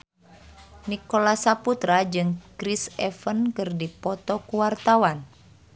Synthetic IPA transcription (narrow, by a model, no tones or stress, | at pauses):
nikolasaput̪ɾad͡ʒɨŋkɾisɛfənkɨrdipɔt̪ɔkuwart̪awan